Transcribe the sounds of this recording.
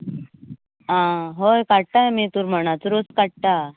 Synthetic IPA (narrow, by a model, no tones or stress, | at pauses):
ãɦojkaɽ̚ʈ̪aemit̪uːɾm̤əɽ̃at͡suɾoskaʈ̚ʈa